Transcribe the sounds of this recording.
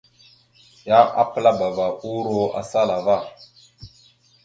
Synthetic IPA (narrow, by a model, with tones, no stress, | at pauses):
ja˦ʔa̰˦pə˦la˦ba˨va˨u˦ɾo˦a̰˨sa˦la˨va˦˨